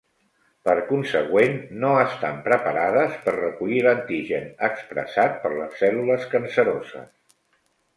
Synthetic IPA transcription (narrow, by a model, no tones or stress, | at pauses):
pəɾkunsəɣwenːoəst̪ampɾəpəɾaðəspərrəkuʎilənt̪iʒənəkspɾə̰sat̪̚pəɾləsːɛluləskənsəɾozə̰s